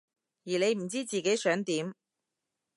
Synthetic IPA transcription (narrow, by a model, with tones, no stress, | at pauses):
jiː˨˩ne˨˧jm̩˨˩t͡siː˥t͡siː˨˩ke˨˥jsœː˨˥ŋt̪iː˨˥m